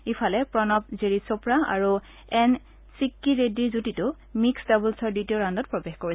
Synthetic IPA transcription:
ifʰalɛpɹɔnɔp̚zeɹisopɹaa̰ɹu | ɛn | sikːiɹediɹzutitʊ | miksdɔbulsɔɹditioɹandɔt̚pɹɔbexkoɹi

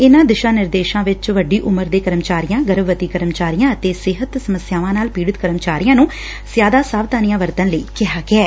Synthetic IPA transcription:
ɪnãːd̪ɪʃãːnɪɾd̪eːʃãːʋɪt͡ʃʋəɖiːʔʊməɾd̪eːkəɾəmt͡ʃaːɾijãːɡəɾəbːət̪iːkəɾəmt͡ʃaːɾijãːət̪eːsɪɦət̪səməsjaːʋãːnaːlpiːɽɪət̪kəɾəmt͡ʃaːɾijãːnũː | sjaːd̪aːsaːʋt̪aːnijãːʋəɾt̪ənləḭːkɪɦaːɡɪɛː

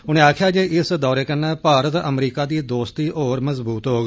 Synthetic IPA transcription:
ʊnẽːaːkʰjaːd͡ʒeːʔɪsd̪ɔːɾeːkənːãːpaːɾət̪ə̰mɾiːkaːd̪iːd̪oːst̪iːʔoːɾməzbuːt̪ɦoːɡ

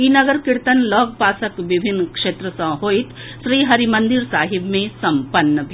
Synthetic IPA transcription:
inɐɡəɾkɪɾt̪ənlɔːɡ̚paːsəkʋɪbʱɪnːkʂeːt̪ɾəsɐ̃ɦoːɪt̪ | ʃɾiːɦɐɾimɐ̃nd̪ɪɾsaːɦɪbmẽsɐ̃mpənːəbʱi

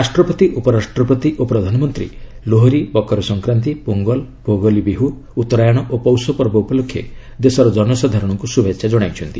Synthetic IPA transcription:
ɾasʈɾɔpɔt̪iʔupɔɾasʈɾɔpɔt̪iʔopɾɔd̪ʱanɔmɔnt̪ɾḭloɦɔɾibɔkɔɾɔsɔŋkɾant̪̬ipuŋɡɔlpoɡɔlibiɦu | ut̪ːɔɾajɔɽ̃ɔʔopɔwsɔpɔɾbɔupɔlokʰːjḛ | d̪esɔɾɔd͡ʒɔnɔsɔd̪ʱaɾɔɽ̃ɔŋkusubʱetsʰad͡ʒɔɽ̃ajt͡ʃʰɔnt̪i

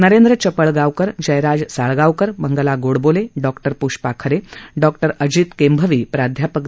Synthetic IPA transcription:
nəɾend̪ɾət͡ɕəpəɭɡawkəɾd͡ʑəjɾad͡zsaɭɡawkəɾbəŋɡəlaɡoɽboleɖɔkʈəɾpuɕpakʰəɾeɖɔkʈəɾəd͡ʑit̪kembʱəʋiːpɾad̪ʱjapək

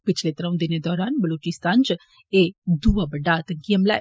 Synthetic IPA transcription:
pɪt͡ʃʰlet̪əɾə̃ʋũd̪ɪned̪ɔːɾaːnbəloːt͡ʃɪst̪aːnt͡ʃə | ed̪uːabəɖat̪ɐŋkiɦɐmla̰

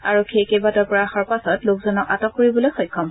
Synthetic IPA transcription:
aɹokʰːekebatɔɹpɔɹaxɔɹpasɔtlokzɔnɔkatɔkːoɹibɔlojxɔjkʰːɔm

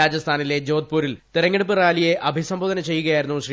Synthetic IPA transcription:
aːd͡ʑɐst̪ʰaːnile̞d͡ʑo̞ːd̪̚puːɾilt̪iɾɐŋːeɽupːɨraːlijeʔɐbʱisɐmbʱoːðɐnɐt͡ɕe̞jːuɣɐjaːjiɾunːuɕri

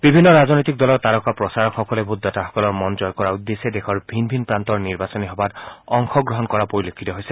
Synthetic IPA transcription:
bibʱinːɔɹaznojt̪ik̚dɔlɔɹt̪aɹɔkapɹɔsaɹɔkxɔkɔlɛbʱud̪ʱːataxɔ̥kɔlɔɹmɔnd͡ʒɔjkɔɹaud̪ːesɛdekʰɔɹbʱinbʱinpɹant̪ɔɹniɹbasɔniɦɔbatɔŋxɔɡɹɔɦɔnkɔɹapoɹilokʰːit̪ɔɦojsɛ

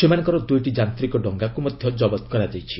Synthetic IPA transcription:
semanɔ̃ŋkɔɾɔd̪ujʈid͡ʒant̪ɾikɔɖɔŋɡakumɔd̪ʱjɔd͡ʒɔbɔt̪kɔɾad͡ʒajt͡ʃʰi̥

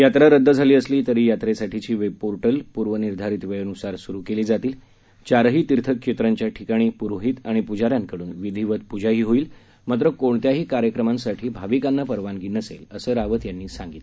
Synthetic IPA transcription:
jat̪ɾaɾəd̪ʱːəd͡zʱaliːəsliːt̪əɾiːjat̪ɾesaʈʰit͡ɕiːʋepoɾʈəlpuɾʋəniɾd̪ʱaɾiːt̪ʋeɭənusaɾsuɾukeliːd͡zat̪iːl | t͡ɕaɾɦiːt̪iɾt̪ʰəkʂet̪ɾaɲt͡ɕjaʈʰikaɽ̃iːpuɾɦiːt̪aɽ̃ipud͡ʑaɾjankəɽuːnʋid̪ʱiʋət̪̚pud͡ʑʱaɦiːɦoiːl | mat̪̬ɾəkoɳt̪jaɦiːkaɾjəkɾəmãnsaʈʰiːbʱaʋikanːapəɾʋanɡiːnəsḛləsəːɾaʋət̪janːiːsãŋɡit̪le

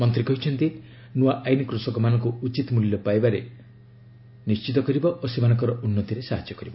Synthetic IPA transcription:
mɔnt̪ɾikɔɦit͡ʃʰɔnt̪i | nuaʔajnikɾusɔkɔmanɔŋkuut͡ʃit̪muljɔpajbaɾe | nist͡ʃit̪ɔkɔɾibɔʔosemanɔŋkɔɾɔʔunːɔt̪iɾesaɦad͡ʒːɔkɔɾibɔ

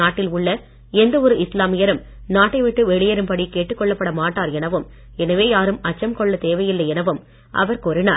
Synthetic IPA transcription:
aːʈːɪlʊɭːɐ | ɛnd̪ɐɔɾɯʔɪslaːmɪjɐɾɯm | naːʈːɐɪʋɪʈːɯʋɛɭɪjɐɾɯmpɐɽikeːʈːɯkːɔɭːɐpːɐɽɐmaːʈːaːɾɛnɐʋɯm | ɛnɐʋeːjaːɾɯmɐt͡ʃːɐmkɔɭːɐt̪eːʋɐjɪlːɐɛnɐʋɯm | ʔɐ̰ʋɐɾkɔɾɪna̰ː

